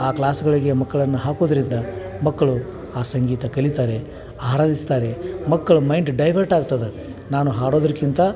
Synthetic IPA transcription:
aːklaːsuɡɐɭiɡemɐkːɐɭɐnːuɦaːkoːd̪ɐɾind̪ɐ | mɐkːɐɭu | aːsɐŋɡiːt̪ɐkɐɭit̪aːɾe̞ | aːɾaːd̪ist̪aːɾemɐkːɐɭumɐjɳɖʈɖɐjʋɐɾʈaːɡut̪ːɐd̪e | naːnuɦaːɽo̞ːd̪ɐɾkint̪ɐ

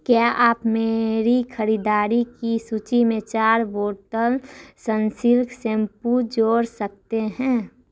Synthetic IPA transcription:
kjaʔaːpmeɾikʰəɾid̪aːɾikisut͡ʃimẽt͡ʃaːɾʋoːɾʈəlsənsɪlksẽmpud͡ʒoːɾsək̚t̪eɦɛ̃

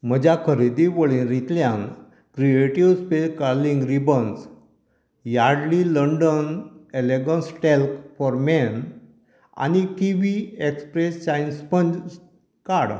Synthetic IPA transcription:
m̤əd͡ʑʱakʰəɾid̪iʋəɭĩnɾit̪ljãŋ | kɾieʈiʋspeskaɾlĩŋɡɾibəns | jaɽliləɳɖəneleɡɔ̃nsʈelkfɔɾmɛn | a̰nikiʋiekspɾest͡ɕajnspənd͡ʑ | kaɽ

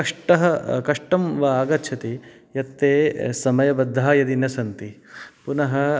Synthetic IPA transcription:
ɐʂʈɐɦɐkɐʂʈɐmʋaːɡɐtːʃʰɐt̪i | jɐt̪ːeːsɐmɐjɐbɐd̪ʱːaːjɐd̪injɐsɐnt̪ipunɐɦɐ

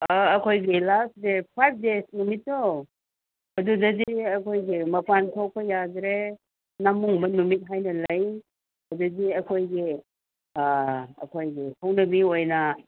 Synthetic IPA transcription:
kʰojɡilastdepʰajp̚ʰdesnumitːo | ɐdudɐziiɐkʰojɡimɐpantʰok̚pʰɐjadɾe | namuŋbɐnumit̚ɦajnɐlɐj | ɐduziɐkʰojɡi | ɐ̰kʰojɡikʰawnɐbiojnɐ

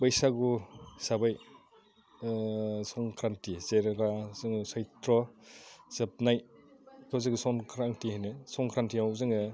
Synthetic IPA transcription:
bajsaɡusabaj | sɔŋkʰɾantizeɾɡazɯŋsajtɾɔ | sep̚najkʰɔzɯŋɡsɔnkʰɾaŋtiɦajnɯsɔŋkʰɾantiawzɯŋɯ

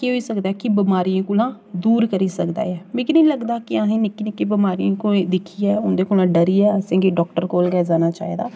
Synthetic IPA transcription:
keɦoːiːsəkd̪aːɛkɪbɪmaːɾiãːkulãː | d̪uːɾkəɾiːsəkd̪a̰ːjɛːmɪkiniːləɡd̪aːkɪãːɦẽːnɪkːinɪkːebəmaːɾijãːkoẽd̪ɪkʰiɛːʊnd̪eːkolãːɖəɾiːɛːəsẽːɡiːɖɔːkʈəɾkoːlɡɛːd͡ʒaːnaːt͡ʃa̰ːḛd̪a̰ː

